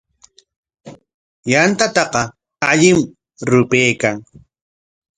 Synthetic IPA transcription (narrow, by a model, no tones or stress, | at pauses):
jant̪at̪ɑqɑ | aʎɪm | ɾʊpeːkaŋ